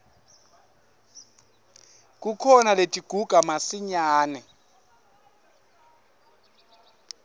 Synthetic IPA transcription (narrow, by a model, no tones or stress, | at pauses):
k̬ʼukʰɔnaletʼiɡ̥ʱuɡ̥ʱamasiɲaːnɛ